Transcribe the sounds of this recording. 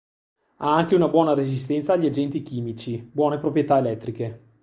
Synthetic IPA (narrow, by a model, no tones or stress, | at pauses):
aaŋk̟eunabwɔːnaɾezist̪ɛnt̪saːʎːiad͡ʒɛnt̪ik̟iːmit͡ʃibwɔːnepɾopɾjet̪aelɛt̪ːɾike